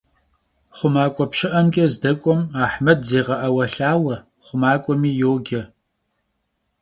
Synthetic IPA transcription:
χʷʊmaːkʷʼɔpʃɪʔɐmɡʲɐzdɐkʷʼɔmaːħmɐdzeːʁɐʔɐwɐɬaːwɐ | χʷʊmaːkʷʼɔmiːjoːɡʲɐ

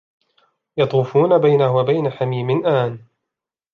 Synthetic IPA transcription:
jɑt̪ˤuːfuːnabajnahwabajnaħamiːmɪnʔaːn

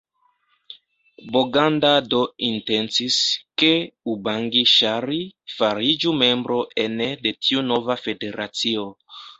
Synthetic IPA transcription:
boɡandado̞inte̞nsiske̞ubaŋɡiʃaɾifaɾid͡ʒume̞mbɾo̞ʔenede̞tʰiuno̞vafe̞de̞ɾat͡sio

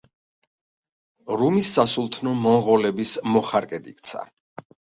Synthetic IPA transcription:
ɾumisːasulˠt̪ʰnɔmɔmʁɔlɛbismɔχaɾkʼɛd̪ḭkʼt̪sʰa̰

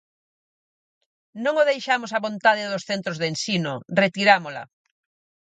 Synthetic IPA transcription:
nõŋoðejʃamosaβont̪aðeðosθent̪ɾozðensinoret̪iɾamola̰

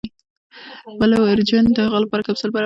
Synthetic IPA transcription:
bəlawaɾd͡ʒand̪əhaɣalapɑɾakabsʊlbaɾ

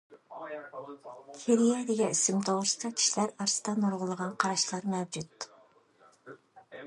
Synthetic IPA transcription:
kʲʰiɾijɛd̪ɪɡʲɛisɪmt̪ʰowʊɾst̪ɑkʲʰi̥ʃlæɾɑɾsɨ̥d̪ɑnuɾʁʊlˠəʁɑnqʰɑɾɑʃlˠɑɾmɛwd͡ʒut̪̚

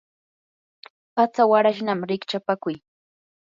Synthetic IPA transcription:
pat͡sawaɾaʃnamɾɪkt͡ʃapakʊj

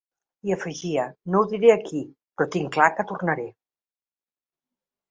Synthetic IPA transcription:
iəfəʒiənowðiɾeəki | pɾɔt̪iŋklakət̪urnəɾe

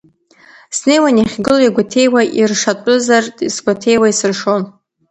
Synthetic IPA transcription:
sne̞jwaniχʲɡɨlaiɡʷatʰe̞jwaʔirʂatʼʊzartʼisɡʷatʰe̞jwaisɨrʂon

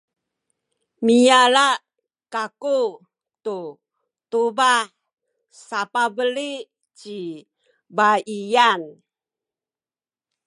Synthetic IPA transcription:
mijala | kaku | t̪u | t̪ubaħ | sapabəli | t͡ʃi | baijan

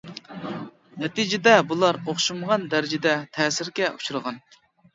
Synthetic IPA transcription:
nɛt̪id͡ʒɪd̪ɛbulˠɑɾoχʃuməʁɑnd̪æɾɪd͡ʒɪd̪ɛt̪ʰɛːsɪɾɡʲɛʔut͡ʃʰuɾəʁɑn

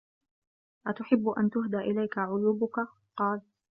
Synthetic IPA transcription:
ʔat̪ʊħɪbːʊʔa̰nt̪ʊɦd̪aːʔɪlajkaʕʊluːbʊka | qɑːl

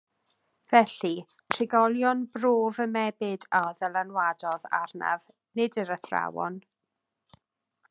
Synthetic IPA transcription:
v̥ɛɬi | tʰrɪɡɔlˠjɔnbroːvəmɛbɪdaðəlˠanwadɔða̰rna̰v | nɪdəɾəθra̰wɔ̰n

